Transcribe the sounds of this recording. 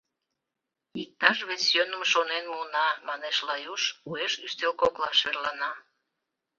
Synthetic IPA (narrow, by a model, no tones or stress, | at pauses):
ik̚t̪ɑʃβet͡sjønəmʃonenmunɑmɑneʃlɑjuʃueʃyst̪elkoklɑʃerlɑnɑ